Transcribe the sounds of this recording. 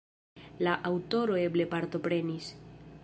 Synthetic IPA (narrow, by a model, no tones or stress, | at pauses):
laʔawto̞ɾo̞e̞ble̞paɾto̞pɾe̞nis